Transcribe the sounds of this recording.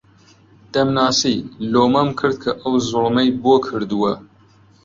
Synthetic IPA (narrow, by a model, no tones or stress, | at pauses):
d̪̥ɐmnɑːsiːloːmɐmkʰɨɾd̪̚kʰɐʔɐwzʊlmɐjboːkʰɨɾd̪uwɐ